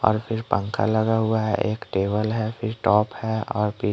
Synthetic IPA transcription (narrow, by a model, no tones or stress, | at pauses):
ɔ̰ːɾpʰɪɾpə̃ŋkʰa̰lɐɡaɦʊaɦɛʔeːkʈeːʋəlɦɛpʰɪɾʈɔːphɛɔːɾpʰɪ